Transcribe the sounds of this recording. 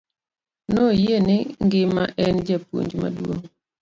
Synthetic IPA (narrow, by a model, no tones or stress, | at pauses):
nojenɪŋɡɪma̰ʔɛnd͡ʒapwo̰ɲd͡ʒma̰dwoŋ